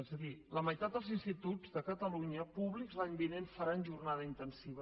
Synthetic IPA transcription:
ezəðiləməjt̪at̪̚d̪əlˠzinst̪it̪uzðəkət̪əluɲəpuβlikzlaɲbinenfəɾanʒurnaðəint̪ənsiβə

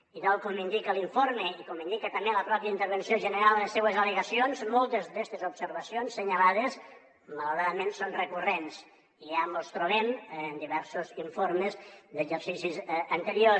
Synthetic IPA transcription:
iðalˠkomind̪ikəliɱfoɾməikomind̪ikət̪əmeləpɾɔpjəint̪əɾβənsioʒənəɾalˠləsewəzələɣəsionzmolˠt̪əzd̪est̪əzupsəɾβəsionsːəɲəlaðəs | mələɾaðəmẽnsonrəkurens | iamost̪ɾoβemnd̪iβɛɾsuziɱfoɾməzd̪əʒəɾsisizənt̪əɾio

